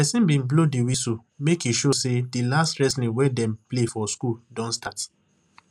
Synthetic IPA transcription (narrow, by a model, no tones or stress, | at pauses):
pɛsĩnbĩnblodiwiso | mekiʃosedilastɹɛslĩwɛdɛ̃mplefɔskuldɔ̃nstat